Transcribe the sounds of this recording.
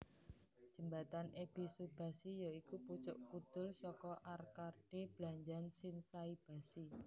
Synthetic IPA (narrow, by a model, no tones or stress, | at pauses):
d̥ʒ̥ə̤mbat̪anʔebisud̚b̥a̤sijɔikuput͡ʃʊ̰ʔkud̪̥ʊ̤lsɔkɔʔarkaɖ̥eb̥laɲd͡ʒansɪnsaib̥a̤si